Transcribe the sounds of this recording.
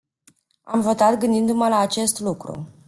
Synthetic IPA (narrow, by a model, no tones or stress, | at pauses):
amvo̞t̪at̪ɡɨnd̪ind̪uməlaːt͡ʃe̞st̪lukɾṵ